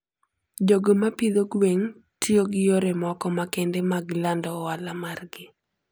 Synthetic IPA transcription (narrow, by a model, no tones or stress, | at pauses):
d͡ʒoɡomapid̪oɡweŋtʰioɡɪjoɾɛmɔkɔmakɛndemaɡlandɔwalamarɡɪ